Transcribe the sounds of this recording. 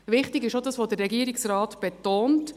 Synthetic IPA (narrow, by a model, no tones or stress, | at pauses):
ʋɪχtɪɡɪʃodɑsʋodərːɛɡiəɾɪksɾɑːtb̥ɛtoːnt